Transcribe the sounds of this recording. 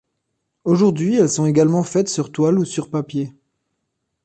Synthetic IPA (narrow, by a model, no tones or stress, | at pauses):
oʒuʁd̪ɥiɛlsɔ̃eɡalmɑ̃fɛt̪syʁt̪walusyʁpapje